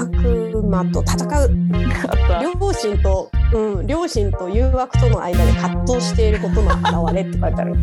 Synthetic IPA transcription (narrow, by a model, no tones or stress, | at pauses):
akɯ̟mat̪o̞t̪at̪akaɯ̟ | ɾʲoɕĩnt̪o̞ɯ̟̃ɴɾʲo̞ːɕĩnt̪o̞jɯ̟ːβakɯ̟̥t̪o̞no̞ʔa̰id̪ad̪ekat̪ːo̞ːɕi̥t̪e̞iɾɯ̟ko̞t̪o̞no̰ʔaɾaβaɾe̞t̪ːekaɾet̪a̰ɾɯ